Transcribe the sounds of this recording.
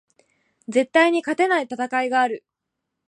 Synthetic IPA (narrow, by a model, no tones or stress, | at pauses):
d͡ze̞t̪ːaiɲ̟ikat̪e̞nait̪at̪akaiɡaːɾɯ̟